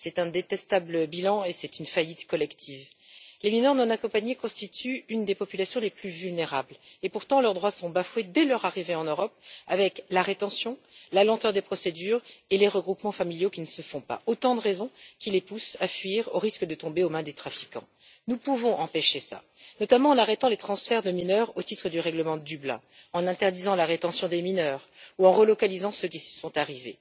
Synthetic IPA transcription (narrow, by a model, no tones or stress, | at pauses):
sɛt̪ɛ̃d̪et̪ɛst̪abləbilɑ̃esɛt̪ynfajit̪kɔlɛkt̪ʰivleminœʁnɔ̃nakɔ̃paɲekɔ̃st̪it̪yynd̪epɔpylasjɔ̃leplyvylneʁablepuʁt̪ɑ̃lœʁd̪ʁwasɔ̃bafwed̪ɛlœʁaʁiveɑ̃nøʁɔp̚a̰vɛklaʁet̪ɑ̃sjɔ̃ | lalɑ̃t̪œʁd̪epχɔsed̪yʁeleʁəɡʁupmɑ̃familjokʲinəsəfɔ̃pa̰ot̪ɑ̃d̪əʁezɔ̃kʲilepusafɥiʁo̰ʁiskəd̪ət̪ɔ̃beomɛ̃d̪et̪χafi̥kɑ̰̃ | nupuvɔ̃ʔɑ̃peʃesa̰ | nɔt̪amɑ̃ːnaʁɛt̪ɑ̃let̪χɑ̃sfɛʁd̪əminœʁot̪it̪χəd̪yʁɛɡləmɑ̃d̪yblɛ̰̃ | ɑ̃nɛ̃t̪ɛʁd̪izɑ̃laʁet̪ɑ̃sjɔ̃d̪eminœʁuɑ̃ʁəlɔkalizɑ̃søkʲisə̥sɔ̃t̪aʁivḛ